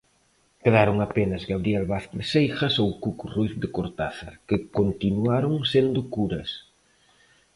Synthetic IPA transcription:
keðaɾoŋapenɐzɣaβɾiɛlβaθksejxɐsowkukurujθd̪ɪkoɾt̪aθɐ̰kɪkont̪inuaɾoŋsend̪ʊkuɾɐs

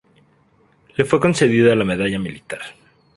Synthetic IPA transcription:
le̞fwe̞ko̞nse̞ðiðalame̞ðaʝamilit̪aɾ

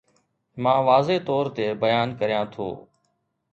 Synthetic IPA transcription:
mãːʋaːzeːt̪ɔːɾt̪eːbəjaːnkəɾijãːt̪ʰo̰ː

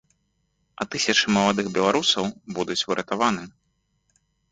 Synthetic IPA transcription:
ɐ̰t̪ɨsʲɐt͡ʂɨmɐlˠad̪ɨxbʲɛlˠaɾusɐwbud̪ut͡sʲuɾɐt̪avanɨ

